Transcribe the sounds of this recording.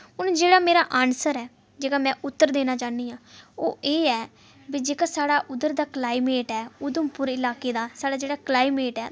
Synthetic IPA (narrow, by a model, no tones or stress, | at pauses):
ʊnd͡ʒeːɽaːmeːɾaːʔaːnsəɾɛː | d͡ʒeːkaːmɛ̃ːʔʊt̪ːəɾd̪eːnaːt͡ʃaːniːãːo̰ːʔeːɛː | bid͡ʒeːkaːsaːɽaːʔʊd̪əɾd̪aːklaːiːmeːʈɛːʊd̪əmpʊɾɪlaːkeːd̪aːsaːɽaːd͡ʒeːɽaːklaːimeːʈɛː